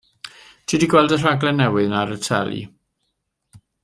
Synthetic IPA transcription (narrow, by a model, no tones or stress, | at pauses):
tʰidiɡwɛlˠdər̥aɡlɛnːɛwɪðnaɾətʰɛ̰lḭ